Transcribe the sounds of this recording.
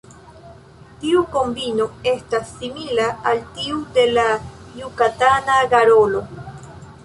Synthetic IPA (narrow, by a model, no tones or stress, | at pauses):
t̪iukombinoest̪asimilaːlt̪iud̪elajukat̪anaɡaɾolo